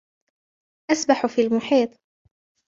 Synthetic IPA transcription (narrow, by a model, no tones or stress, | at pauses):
ʔasbaħfiːlmʊħiːt̪ˤ